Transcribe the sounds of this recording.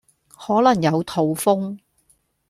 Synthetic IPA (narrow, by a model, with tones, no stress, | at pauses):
hɔː˨˥lɐ˨˩ŋjɐ˨˧wt̪ʰo˨wfʊ˥ŋ